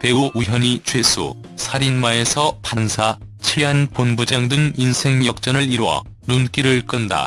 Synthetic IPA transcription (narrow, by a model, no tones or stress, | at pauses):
pe̞ɡoʔuɦjʌɲit͡ɕwe̞sʰṵ | sʰaɾinmae̞sʰʌpansʰa | t͡ɕʰiɦanponbud͡ʑaŋdɯŋinsʰe̞ŋjʌk̚t͡ɕ͈ʌnɯɭiɾwʌ̰ | nunk͈iɾɯɭk͈ɯnda̰